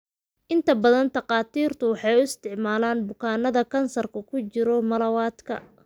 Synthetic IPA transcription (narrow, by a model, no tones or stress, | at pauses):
ʔɪnt̪ʰɐbɐðɐnt̪ɐqɑːt̪ʰiːrt̪ʰʊwɑħɑjʊɪst̪ʰɪʕmaːlaːnbʊkʰaːnɐðɐkʰɐnsɐrkʰɐkʰʊt͡ʃɪɾɔmɐlɐwaːd̪kʰɐ̰